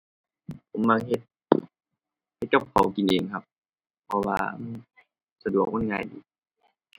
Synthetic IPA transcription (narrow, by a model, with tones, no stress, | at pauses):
pʰo˨˦mma˧ŋ̚he˧˦t̪̚ | ha˧t̪̚t͡ɕo˧˥˩p̚kʰa̰˨˦wki˨nʔeː˨ŋkʰa˧˥p̚ | pʰːɔ˧wa̰ː˧ʔɤː˧˩ | sa˧du˨˩ək̚ŋo˧˥˨nŋaː˧˩jdiː˨˩˦